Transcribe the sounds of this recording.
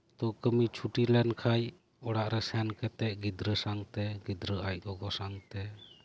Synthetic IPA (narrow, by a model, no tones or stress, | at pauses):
t̪ɔkəmit͡ʃʰuʈilɛnkʰaj | ɔɽaʔɾɛsɛnkɛt̪ɛʔɡid̪ɾəsaŋt̪ɛɡid̪ɾəajʔ̚ɡɔɡɔsaŋt̪ɛ